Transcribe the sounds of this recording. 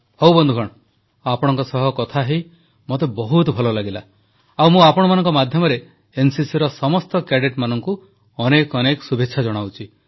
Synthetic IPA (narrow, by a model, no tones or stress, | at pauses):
howbɔnd̪ʱuɡʱɔɽ̃ɔ | apɔɽ̃ɔŋkɔsɔɦɔkɔt̪ʰaɦej | mot̪ebɔɦut̪bʱɔlɔlaɡila | awmũapɔɽ̃manɔŋkɔmad̪ʱjɔmɔɾe | ensisiɾɔsɔmɔst̪ɔkeɖeʈmanɔŋku | ɔnekɔnekɔsubʱetːʃʰad͡ʒɔɽ̃awt͡ʃʰi